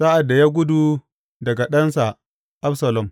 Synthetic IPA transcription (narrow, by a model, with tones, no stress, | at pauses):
sa˦ʔa˨dːa˨ja˦ɡʷʊ˦du˨ | dɐ˨ɡa˨ɗɐ˦nsa˨ | ʔa˦bsɐ˨lɔ˨m